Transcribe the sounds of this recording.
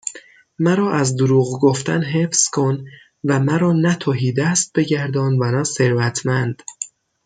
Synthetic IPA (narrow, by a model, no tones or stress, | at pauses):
mæɾɒːʔæzd̪oɾuːɣɡoft̪æ̰nɦe̞fskʰo̞n | væmæɾɒːnæt̪ʰɒːɦiːd̪æst̪̚be̞ɟæɾd̪ɒːnd̪vænæse̞ɾvæt̪ʰmænd̪̥